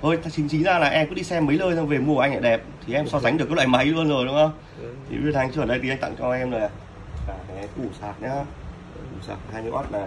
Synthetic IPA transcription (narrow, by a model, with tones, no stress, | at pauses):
ʔo˧˩jt̪ʰt͡ɕï˨˦ŋ̟t͡ɕï˨˦ŋzaː˧laː˨˩ʔɛ˧mku˧˥ɗi˧sɛ˧mːə˨˦jləː˧jsŋ͡mve˨˩mu˧˨ʔa˧ŋa̰ː˧˨ɗɛ˨˩p̚t̪ʰi˨˩ʔɛ˧msɔ˧za˨˦ŋ̟ɗɨ˨˩kːlwa̰ː˧˨jma˨˦jlu˧ənzo˨˩jɗʊ˨˦ŋʔə˧m | t̪ʰḭ˨˩vi˦˥ət̚ha˧jŋɨ˧˨əː˨˩ɗə˧jt̪i˨˦˧ŋt̪a̰˧˨ŋt͡ɕɔ˧ʔɛ˧mzo˨˩jaː˨˩ | aː˨˩˨ku˧˩saː˨˩k̚ɲaː˨˧˦ | ku˧˩sa̰ː˨˩k̚haː˧jm˧˦ʔɔ̰˦˥t̚naː˨˩